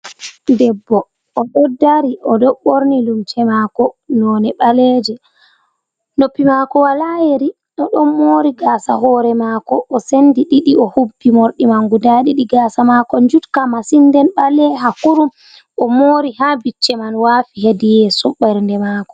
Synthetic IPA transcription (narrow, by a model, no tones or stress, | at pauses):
dɛbːɔː | ɗɔdːaɾiʔɔdɔɓoɾnilumt͡ʃɛmakɔnɔnɛɓalɛd͡ʒɛ | nopːimakɔwalajeɾi | ɗɔɗɔnmoːɾiɡaːsa̰ɦɔːɾɛmakɔʔːsendiɗiɗiɔhubːimoɾɗimaŋɡudaɗiɗiɡaːsamakɔnd͡ʒutkamasindɛnɓalɛɦakuɾum | ɔmoːɾihabit͡ʃːɛmanwaːfiɦedijɛsɔɓɛɾndɛmakɔ̥